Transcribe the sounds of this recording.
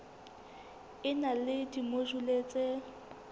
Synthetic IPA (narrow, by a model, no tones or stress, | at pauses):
ɪnalɪdimoʒuleːt͡sʼe